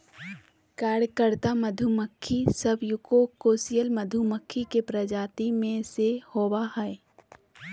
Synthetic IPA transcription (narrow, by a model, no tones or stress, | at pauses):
kaːɾjəkəɾt̪aməd̪ʱuməkʰːisɐbʱjʊkokoːsijəlməd̪ʱuməkʰːikepɾɐd͡ʒaːt̪imẽsehoːwaɦɛe